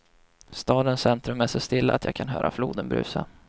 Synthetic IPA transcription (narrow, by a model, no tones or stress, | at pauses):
st̪ɑːd̪ənsɛnt̪ɾɵmæʂɔst̪ɪlːaːt̪jɑːɡkʰanɦœːɾʔafluːd̪ənbɾʉ̟̰ːsa